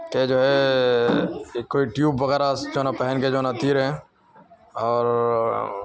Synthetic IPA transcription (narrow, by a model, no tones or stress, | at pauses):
ked͡ʒoːɦɛ | kːoːiʈjuːbːɐɣɛːɾasd͡ʒoːnapɛɦɛnked͡ʒoːnat̪iːɾɦɛ̃ | ɔːɾ